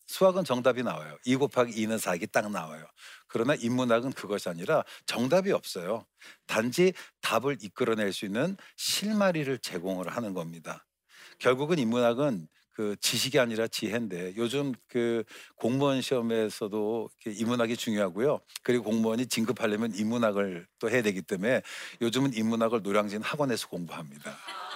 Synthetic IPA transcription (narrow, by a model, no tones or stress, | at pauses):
sʰuaɡɯnt͡ɕʌŋdabinawajoiɡopʰaɡinɯnsʰaɡit͈aŋ̚nawa̰jokɯɾʌnaʔimːunaɡɯnkɯɡʌɕʰiaɲiɾat͡ɕʌŋdabiʌp̚s͈ʌjo | tand͡ʑitabɯɾik͈ɯɾʌne̞ɭs͈uinːɯnɕʰiɭmaɾiɾɯɭt͡ɕe̞ɡoŋɯɾhanɯnɡʌmɲida | kjʌɭɡuɡɯnimːunaɡɯn | kɯt͡ɕiɕʰiɡiaɲiɾat͡ɕiɦe̞nde̞jod͡ʑɯmkɯkoŋmuʌnɕʰiʌme̞sʰʌdoikʰe̞imːunaɡit͡ɕuŋjoɦaɡujokɯɾiɡokoŋmuʌɲit͡ɕiŋɡʰɯpʰaɭːimjʌnimːunaɡɯɭt͈ohe̞jadwe̞ɡit͈e̞me̞jod͡ʑɯmɯnimːunaɡɯɭnoɾjaŋd͡ʑinnhaɡwʌne̞sʰʌ̥koŋbuɦamɲida